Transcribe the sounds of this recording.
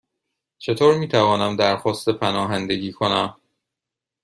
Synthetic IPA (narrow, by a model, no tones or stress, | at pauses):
t͡ʃʰe̞t̪ʰoːɾmiːt̪ʰævɒːnæmd̪æɾxɒːst̪epʰænɒːɦænd̪e̞ɡiːkʰonæm